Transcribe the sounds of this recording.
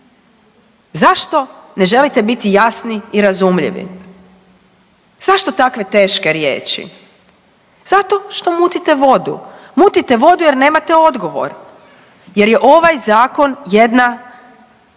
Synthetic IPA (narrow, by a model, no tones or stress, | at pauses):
zaʃt̪o̞ne̞ʒe̞lit̪e̞bit̪ijasniiɾazumʎḭʋḭ | z̥aʃt̪o̞t̪akʋe̞t̪e̞ːʃke̞ɾje̞̰ːt͡ʃḭ | z̥at̪o̞ʃt̪o̞muːt̪it̪e̞ʋo̞d̪ṵmuːt̪it̪e̞ʋo̞d̪uje̞ɾne̞ːmat̪eo̞d̪ɡo̞ʋo̞̰ɾ | je̞ɾje̞ʔo̞ʋajzaːko̞nje̞d̪na